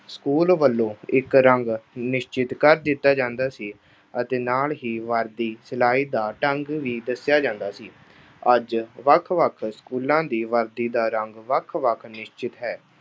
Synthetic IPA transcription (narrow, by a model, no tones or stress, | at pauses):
skuːlʋəlːõːɪkɾəŋɡnɪʃt͡ʃɪt̪kəɾd̪ɪt̪ːaːd͡ʒãːnd̪aːsiː | ət̪eːnaːlɦiːʋəɾd̪iːsɪlaːiːd̪aːʈəŋɡʋiːd̪əsɪjaːd͡ʒãːnd̪aːsiː | əd͡ʒʋəkʰʋəkʰskuːlãːd̪iːʋəɾd̪iːd̪aːɾəŋɡʋəkʰʋəkʰnɪʃt͡ʃɪt̪ɦɛː